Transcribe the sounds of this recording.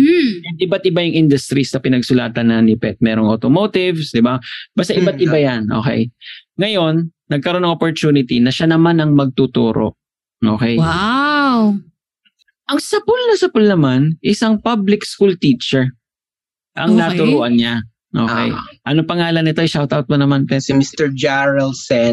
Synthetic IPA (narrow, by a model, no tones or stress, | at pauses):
ʔɪbat̪̚ʔɪbajʊŋʔɪnd̪ʊst̪ɾist̪ɐpɪnɐɡsʊlaːt̪ɐnːɐnɪpɛt̪̚mɛːɾoŋʔot̪omoːt̪ɪvsd̪ɪbabast̪aʔɪbat̪ʔɪbajanʔo̞̰kɛ̰jŋɐjo̞nː | ɐɡ̚kɐɾo̞nɐŋʔopoɹt̪uːnɪt̪inɐʃanɐmanɐŋmɐɡ̚t̪ut̪uːɾo̰ʔ | ʔoːkɛj | w | ʔɐŋsɐpʊlnɐsɐpʊlnɐmanʔɪsɐŋpablɪkskult̪iːt͡ʃɛɹ | ʔɐŋnat̪ʊɾuːʔɐnɲa | ʔo̰ːkɛ̰jʔɐnopɐŋaːlɐnɪt̪o̞jʃawt̪awt̪̚mʊnɐmanpɛsmist̪ɛɹd͡ʒaɹɛlsɛ